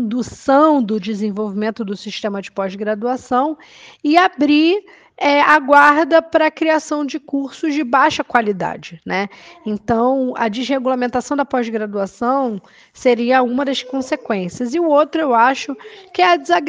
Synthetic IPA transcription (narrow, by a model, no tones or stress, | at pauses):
d̪usɐ̃w̃d̪ʊd͡ʒɪzẽvowvimẽnt̪ʊd̪ʊsiʃt̪ẽmɐd͡ʒɪpɔzɡɾad̪uasɐ̃w̃ | ɪabɾi | ɛaɡwaɾd̪ɐpɾɐkɾiasɐ̃w̃d͡ʒɪkuɾsʊzd͡ʒɪbajʃɐkwalid̪a̰d͡ʒɪnʔɛẽnt̪ɐ̃w̃ɐ̰d͡ʒɪzheɡulamẽnt̪asɐ̃w̃d̪ɐpɔzɡɾad̪uasɐ̃w̃ | seɾiɐũmɐd̪ɐʃkõsekwẽsiɐzɪʊowt̪ɾʊewaʃʊkɪɛɐd͡ʒɪza